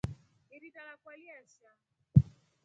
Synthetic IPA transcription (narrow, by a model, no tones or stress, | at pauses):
iɾidalakwaliaʃa